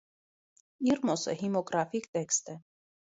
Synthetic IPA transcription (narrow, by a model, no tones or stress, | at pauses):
iɾmɔsə̰himɔɡɾafikt̪ɛkst̪ɛ